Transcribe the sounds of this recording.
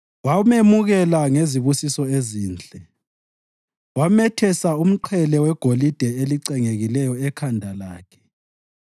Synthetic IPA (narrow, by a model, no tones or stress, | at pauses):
wamemuɣɛlaŋeziβusisɔeziːnd͡ɮʱʼɛ | wamɛtʰɛsaum̩ǃʰɛlɛwɛɡ̥ʱolid̥ʱɛeliǀɛŋeɣilɛjɔɛkʰandʱala̰ːkʰɛ̥